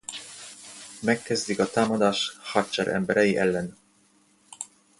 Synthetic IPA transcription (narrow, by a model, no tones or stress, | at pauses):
mɛkːɛzd̪ikɒt̪aːmɒd̪aːʃhɒrt͡ʃɛɾʔɛ̰mbɛɾɛjiʔɛlːɛn